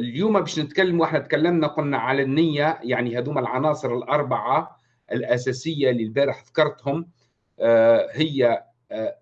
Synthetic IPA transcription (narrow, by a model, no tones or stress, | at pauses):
ɪljuːmæbæːʃnɪt̪kalːmuʔɪħnæt̪kalːamnæqʊlnaʕalænːɪjːæjaʕnihæd̪uːmælʕɑnɑːsˤɨɾɪlʔɑɾˤbɑʕa | ʔɪlʔæsæsɪjːalilbæːɾɪħðɑ̥kɑɾˤt̪hʊm | hɪjːæ